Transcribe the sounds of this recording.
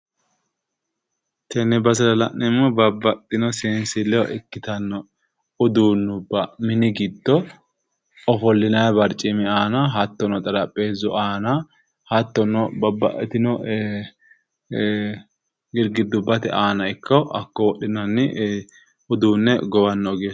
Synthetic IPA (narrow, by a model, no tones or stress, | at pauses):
t̪ʰɛnɛbɐsɐlɐlɐ̰nnɛmːɔbɐbːɐt̪ʼːɪnɔseːnsɪlːɛwɔʔɪkːɪt̪ɐnːɔ | ʊd̪uːnːʊbːɐmɪnɪɡɪd̪ːɔ | ɔfɔlːɪnɐjbɐɾt͡ʃʼːɪmɪaːnɐɦɐt̪ːɔnɔt̪ʼɐɾɐpʼːe̞ːzɔaːnɐ | hɐt̪ːɔnɔbɐbːɐ̰ʔɛt̪ɪnɔ | ɡɪɾɡɪd̪ʊbːɐt̪ɛ̰ʔaːnɐɪkʰːɐʔɐkːɔwɔɗɪnɐnːɪ | ʊd̪uːnːɛɡɔwɐnːɔɡeːs